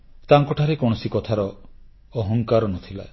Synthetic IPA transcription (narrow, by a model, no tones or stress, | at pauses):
t̪aŋkɔʈʰaɾekɔɽ̃ɔsikɔt̪ʰaɾɔː | ɦɔŋkaɾɔnɔt̪ʰila̰e